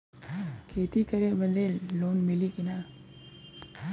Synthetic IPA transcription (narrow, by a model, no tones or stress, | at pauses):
kʰeːt̪ikəɾebəd̪eːlloːnmɪlikinaː